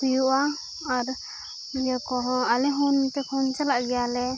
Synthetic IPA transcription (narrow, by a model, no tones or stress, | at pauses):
ujuʔa | aɾ | jɛkɔɦɔ̃alɛɦunt̪ɛkʰɔnt͡ʃalaʔɡɛjalɛ